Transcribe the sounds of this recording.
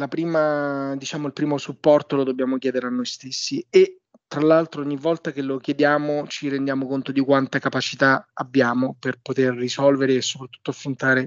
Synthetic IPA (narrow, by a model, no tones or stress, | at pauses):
lapɾiːmad̪it͡ʃaːmoilpɾiːmosupːɔrt̪olod̪objaːmok̟jɛːd̪eɾeanːojst̪esːie | t̪ɾalːalt̪ɾooɲːivːɔlt̪akelokjed̪jaːmot͡ʃiɾend̪jaːmokont̪od̪ikwant̪akapat͡ʃit̪aabːjaːmoperpot̪erːisɔlveɾeːsːopɾat̪ːu̥t̪ːoafɾont̪aːɾe